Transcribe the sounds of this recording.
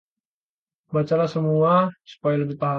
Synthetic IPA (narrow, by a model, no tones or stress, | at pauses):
bat͡ʃaɾasəmuasu̥pajaləbit̪aɦa